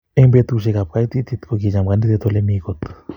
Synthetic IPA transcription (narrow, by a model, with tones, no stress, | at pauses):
eŋbe˧t̪u˧ʃe˧kap̚ka˧it̪i˦t̪i˧t̪koki˧ɲa˨mɡa˧ni˦d̪e˧t̪o˧le˧mi˧kot̪